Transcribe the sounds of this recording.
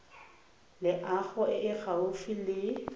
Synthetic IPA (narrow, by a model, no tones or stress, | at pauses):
lɪʔaɣʊɪʔɪɣaʊfilɪ